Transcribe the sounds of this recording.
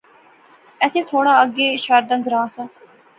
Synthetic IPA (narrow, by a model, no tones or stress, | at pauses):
ɛt̪ʰeːt̪ʰoːɽaːəɡeːʃaɾd̪ãːɡəɾãːsãː